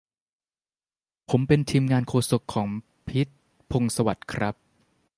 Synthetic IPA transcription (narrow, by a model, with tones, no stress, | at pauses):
pʰo˩˦mpe˧nt̪ʰiː˧mŋaː˧nkʰoː˧su˨˩kʰːɔː˩˦ŋ | pʰi˦˥t̪̚ | pʰo˧ŋsa˧wa˨˩t̪̚kʰɾa˦˥p̚